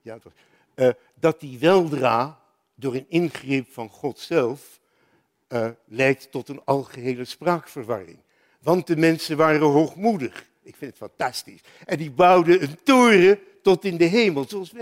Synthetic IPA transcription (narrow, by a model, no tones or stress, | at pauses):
jat | dɑt̚diʋɛlˠdraː | dʊːɹənɪnχrɪpfɑnχɔtsɛlˠf | lɛjtːɔtənɑlˠχəɦejləspraːkfərʋɑrɪ̰ŋ | ʋɑnt̚dəmɛnsənʋaːrənɦowχmudəχ | ɪkfɪndətfɑntɑstis | ɛndibʌwdəəntoːrə | tɔtɪndəɦejməlˠzoɑlˠsʋ